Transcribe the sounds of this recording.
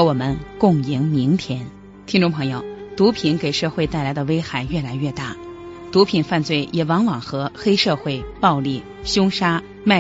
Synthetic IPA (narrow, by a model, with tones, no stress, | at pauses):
wɔ˨˩mə˦nkʊ˥˩ŋi˧˥ŋmi˧˥ŋt̪ʰjɛ˧˥n | t̪ʰi˥ŋʈ͡ʂʊ˥˩ŋpʰɤ˧˥ŋjo˧ʊt̪u˧˥pʰi˧˥nke˨˩ɪʂɤ˥˧xwe˥˧ɪt̪a˥˩ɪla˧˥ɪd̪ə˧we˥ɪxa˨˩˦ɪɥɛ˥˩la˧˥ɪɥɛ˥˧t̪a˥˩ | t̪u˧˥pʰi˨˩nfa˥˧nt͡swe˥˩ɪjɛ˨˩wɑ˧˥ŋwɑ˨˩ŋxɤ˧˥xe˥ɪʂɤ˥˧xwe˥˩ɪpɑ˥˧ʊli˥˩ | ɕjʊ˥ŋʂa˥ | ma˥˩